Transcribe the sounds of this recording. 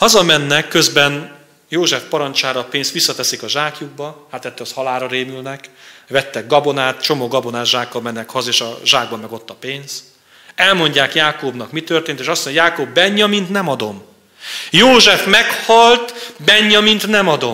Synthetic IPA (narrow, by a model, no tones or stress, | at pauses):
hɒzɒmɛnːɛkːøzbɛn | joːʒɛfpɒɾɒnt͡ʃaːɾɒːpeːnst̪ʋisːɒt̪ɛsikɒʒaːkjuɡ̚bɒhaːt̪ɛt̪ːølɒshɒlaːɾɒɾeːmylnɛkvɛt̪ːɛɡ̚ɡɒbo̞naːt̪t͡ʃo̞moːɡɒbo̞naːt̪ʒaːkːɒlmɛnːɛkhɒzeːʃɒʒaːɡbɒmːɛɡo̞t̪ːɒpeːnz̥ | ɛlmo̞ɲɟaːkjaːkoːbnɒkmit̪ørt̪eːnt̪eːʃɒsːoɲojaːkoːbːɛɲːɒmint̪nɛmɒd̪o̞m | joːʒɛfmɛkhɒlt̪bɛɲːɒmint̪nɛmɒd̪o̞